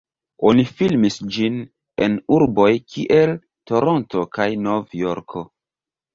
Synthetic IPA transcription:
o̞nifilmisd͡ʒin | e̞̰nuɾbo̞jkʰiʔe̞l | to̞ɾo̞nto̞kajno̞vjoɾkʰo̞

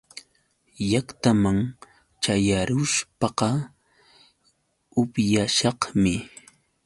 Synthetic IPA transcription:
jakt̪amaŋ | t͡ʃajaɾʊʃpɑqɑ | ʊpjaʃɑqmɪ

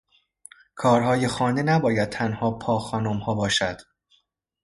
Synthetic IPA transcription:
kʰɒːɾɦɒːjexɒːnd̪enæbɒːjæd̪̚t̪ʰænhɒːpʰɒːxɒːnomhɒːbɒːʃæd̪̥

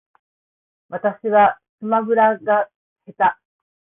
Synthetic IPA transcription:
βat̪aɕiβa | sɨmabɯ̟ɾaɡa | he̞t̪a

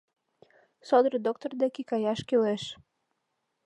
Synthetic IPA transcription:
sod̪ɾɤd̪ok̚t̪ord̪ekikɑjɑʃkyleʃ

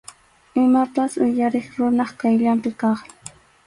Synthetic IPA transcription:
ɪmapasʊjaɾeχɾʊnɑχkajʎampɪkɑχ

